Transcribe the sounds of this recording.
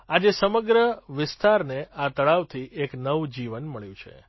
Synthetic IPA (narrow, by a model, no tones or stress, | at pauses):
ad͡ʒesəməɡɾəʋɪst̪aɾneat̪əɭaʋt̪ʰiʔeknəʋud͡ʒiʋənməɭjũt͡ʃʰḛ